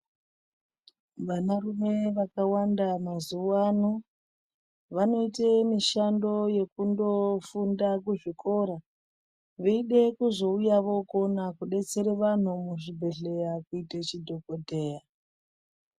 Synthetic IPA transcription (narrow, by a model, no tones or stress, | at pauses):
ʋanarume̞ʋakawandamazuwano | ʋano̞itemiʃando̞je̞kundo̞fundak̬uʐikʰo̞ɾa | ʋeiɗe̞kuzo̞ujaʋo̞konakuɗe̞t͡se̞ɾeʋan̤umuʐibʱe̞ɮe̞jakuitet͡ʃidʱo̞kodʱe̞ːja